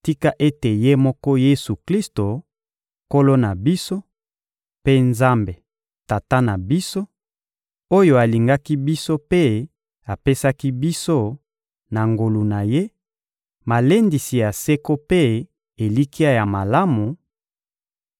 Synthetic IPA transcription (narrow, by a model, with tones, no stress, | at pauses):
ti˦ka˦ʔe˦te˨je˦mɔ˦kɔ˦je˦su˨kli˦sto˨ | ko˦lo˦na˨bi˦so˦ | pe˦nza˦mbe˨ | ta˨ta˦na˨bi˦so˦ | o˦jo˦a˨li˨ŋɡa˦ki˦bi˦so˦pe˦ | a˨pe˦sa˦ki˦bi˦so˦ | na˨ŋɡo˨lu˨na˨je˦ | ma˨le˦ndi˨si˨ja˨se˦ko˦pe˦ | e˨li˦ki˦a˦ja˨ma˨la˦mu˨